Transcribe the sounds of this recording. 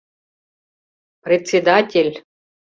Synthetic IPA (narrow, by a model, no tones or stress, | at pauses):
pɾʲɪt̪sʲed̪atʲelʲ